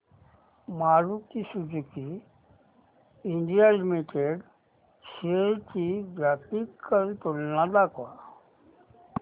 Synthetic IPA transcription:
maɾukisud͡zuki | iɳɖijalimiʈeɖ | seɾkʰiɡat̪ikːəɾt̪ulnad̪akʋa

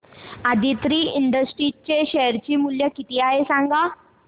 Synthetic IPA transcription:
ad̪ʱit̪ɾiːiɳɖəsʈɾit͡ɕeɕɛjəɾt͡ɕiːmuljəkit̪iaɦesãŋɡa

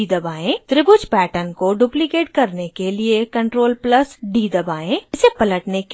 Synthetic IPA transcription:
id̪ɐbaːẽt̪ɾɪɡʊt͡ʃpɛːʈənkoɖuːplikeːʈ̚kɐɾnekeliekɐ̃ɳʈɾoːlplɐsɖiːd̪ɐbaːẽːɪsepɐləʈnek

